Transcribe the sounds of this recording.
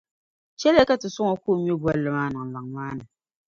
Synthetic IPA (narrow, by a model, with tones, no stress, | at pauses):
t͡ʃɛ˦lka˦tɨ˨sʊ˦ŋɔ˨koː˦˨˦mi˦o˦bwa˦lːɨ˨maː˦˨nɨ˨ŋ˨la˨ŋmaː˦nɨ˨